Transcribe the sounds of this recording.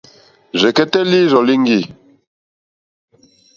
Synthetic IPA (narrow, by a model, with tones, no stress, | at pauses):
zɛ˨kɛ˦tɛ˦li˦zɔ˨li˦ŋ˦ɡi˦˨